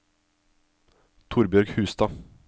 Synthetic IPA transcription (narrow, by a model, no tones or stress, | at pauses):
t̪ʰʊɾbjœɾɡhʉ̟ːst̪ɑ